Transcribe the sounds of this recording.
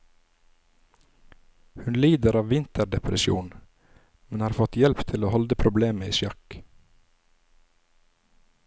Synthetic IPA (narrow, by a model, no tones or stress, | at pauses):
hʉnliːd̪əɾɑːʋʋɪnt̪əɾɖɛpɾəsɪṵːn | mɛnhɑːɾfɔt̪jɛlpt̪ʰɪloːhɔld̪əpʰɾʊbleːməiːsjɑk